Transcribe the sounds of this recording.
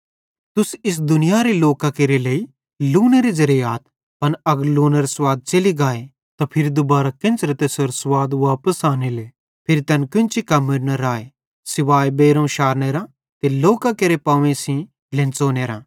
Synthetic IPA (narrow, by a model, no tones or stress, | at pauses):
t̪ʊsɪs̬d̪ʊnɪjaɾeloːkakeɾeleːi | luːneɾizɐɾijaːt̪ | pɐnɐɡəɾloːneɾaswaːd̪̚t͡ʃɐliɡaːe | t̪apʰɪɾid̪ʊbaːɾakɪ̃nt͡ʃɾɐt̪esoɾsʋaːd̪ʋaːpəsaːnele | pʰɪɾit̪ɛːnkʊ̃nt͡ʃikɐməɾnɐɾaːe | sɪʋaːebeːɾõʃaːɾneːɾã | t̪eloːkakeɾepaːʋẽsĩ | lẽnt͡soːneːɾãː